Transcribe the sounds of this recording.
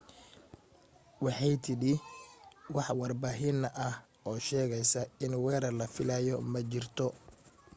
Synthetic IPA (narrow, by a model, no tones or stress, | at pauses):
wɑħɑjt̪ʰɪɽɪ | wɑħwɑrbaːɦɪnɐʔɐh | ɔːʃɛːɣɛjsɐɪnwɛːɾɐrlɐfɪlajɔmɐt͡ʃɪrt̪ʰɔ